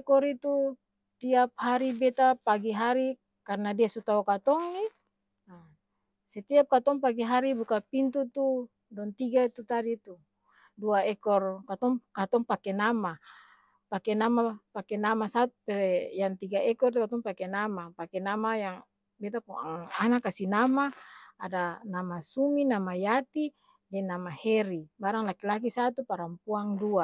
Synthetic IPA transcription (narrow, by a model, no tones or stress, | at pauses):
kɔɾit̪u | t̪iap̚haɾibɛt̪apaɡiɦaɾi | karnadiasut̪aukat̪ɔŋni | a | sɛt̪iap̚kat̪ɔŋpaɡiɦaɾibukapint̪ut̪u | dɔŋt̪iɡait̪ut̪adit̪u | duaɛkɔrkat̪ɔŋkat̪ɔŋpakɛnama | pakɛnamapakenamasat̪̚upejaŋt̪iɡaʔɛkɔrt̪ukat̪ɔŋpakenamapakɛnamajaŋ | bɛt̪̬apuaanakasinamaadanamasuminamajat̪i | dɛnamahɛɾibaɾaŋlakilak̬isat̪upaɾampuaŋdua